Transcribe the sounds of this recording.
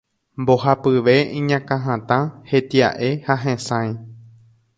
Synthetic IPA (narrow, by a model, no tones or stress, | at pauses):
mbo̞ɦapɨʋe̞ĩɲãkãɦãt̪ãhe̞t̪iaʔe̞haɦẽsãj̃